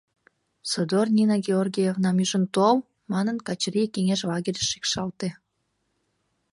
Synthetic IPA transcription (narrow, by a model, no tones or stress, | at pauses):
sod̪ornʲinaɡʲeorɡʲijevnɑmyʒənt̪ol | mɑnənkɑt͡ɕrikeŋeʃlɑɡʲeɾʲəʃːi̥kʃɑlt̪e